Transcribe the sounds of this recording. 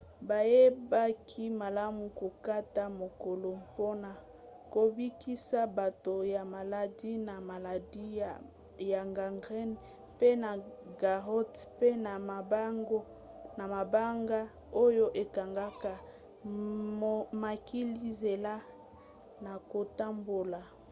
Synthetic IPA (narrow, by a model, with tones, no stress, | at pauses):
ba˨je˦ba˦kʰi˦ma˨la˦mu˨ko˨ka˦ta˦mo˨ko˨lo˨po˦na˨ | ko˨bi˦ki˦sa˦ba˨to˨ja˨ma˨la˨di˦na˨ma˨la˨di˦ | ja˨ŋɡa˨ŋɡʁɛ˦n | pe˦na˨ɡa˨ʁɔ˦tpe˦na˨ma˨ba˦ŋɡo˦ | na˨ma˨ba˦ŋɡa˦ | o˦jo˦ʔe˨ka˨ŋɡa˦ka˨ | ma˨ki˦li˦ze˨la˦ | na˨ko˨ta˦mbo˨la˨